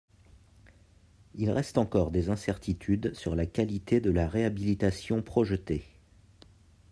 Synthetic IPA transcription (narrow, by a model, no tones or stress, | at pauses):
ilʁɛst̪ɑ̃kɔʁd̪ezɛ̃sɛʁt̪ʰit̪ʰyd̪syʁlakʲalit̪ed̪əlaʁeabilit̪asjɔ̃pχɔʒət̪e